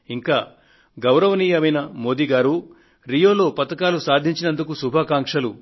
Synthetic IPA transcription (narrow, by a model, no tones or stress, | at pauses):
iŋkaː | ɡɐwɾɐʋɐniːjɐmɐjnɐmo̞ːd̪iːɡaːɾu | ɾijo̞ːlo̞ːpɐt̪ɐkaːlusaːd̪ʱiɲt͡ʃinɐnd̪ukusubʱaːkaːŋkʂɐlu